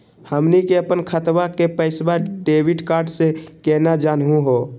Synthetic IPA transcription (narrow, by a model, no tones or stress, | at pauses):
həmnikeəpənkʰət̪bakepəɪsbaɖeːwiɖkaːɾɖsekɛnad͡ʒaːnɦũɦo